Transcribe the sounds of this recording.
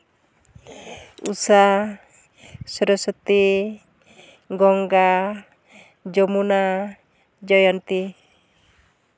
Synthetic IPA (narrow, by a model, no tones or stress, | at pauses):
ṵsa | səɾəsət̪i | ɡɔŋɡa | d͡ʒɔmuna | d͡ʒɔjɔnt̪i